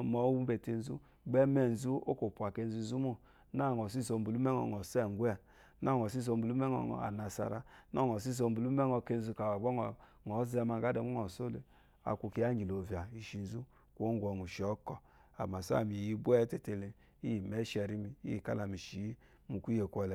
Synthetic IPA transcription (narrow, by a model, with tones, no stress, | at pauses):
mɔ˨˦wu˦be˨te˧n˦zu˦ | ɡ͡bɛ˦mɛ˦˨n̩˨zu˦o̰˦ko˨pu˨a˨ke˧n̩˦zu˦n˦zu˦mu˦ | na˦˨ŋ˨ɔ˨s̬i˦so˧m˦bu˨lu˦mɛ˦ŋɔ̰˨ŋɔ˨sɛ˦˨ɡʷɛ˦˨ | na˦˨ŋɔ˨s̬i˦s̬o˧m̩bu˨lu˦mɛ˦ɔ̰˨ŋɔ̰˨a̰˨na˨sa̰˨ɾa˦nɔ˦˨ŋɔ˨si˦s̬o˧m˦bu˨lu˦mɛ˦ŋɔ˧ke˧n̩˦zu˧ka˨wa˨ɡ͡bɔ˦ŋ˨ | ŋɔ˨˦zɛ˧˦ma˧˨ɡa˦dɛ˨ŋu˦ŋɔ˨so˦le˨ | a̰˨kʷu˨ki˨a˦ŋ˦ɡi˨lo˨vja˨i˨ʃi˨n̩˨zu˦ | kʷo˦ŋ˦ɡʷɔ˨nu˨ʃɔ˦kɔ˨ | a̰˨m˨a˨sa̰˦˨mi˨ji˧bu˦ɛ˦te˦˨te˧le˦ | i˦˨mɛ˦ʃɛ˧˨ɾi˦mi˦ḭ˦i˨ka̰˦la˨mi˨ʃi˨˦ | mu˨ku˦je˨kʷɔ˨lɛ˨